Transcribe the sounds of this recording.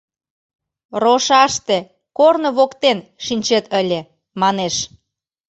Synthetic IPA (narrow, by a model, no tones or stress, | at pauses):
roʃɑʃt̪e | kornoβokt̪enʃinʲt͡ɕet̪əlʲe | mɑneʃ